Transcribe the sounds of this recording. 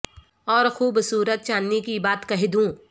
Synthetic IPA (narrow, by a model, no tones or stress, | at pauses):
ɔːɾxuːbsuːɾət̪̚t͡ʃaːnːikibaːt̪kɐɦed̪ũː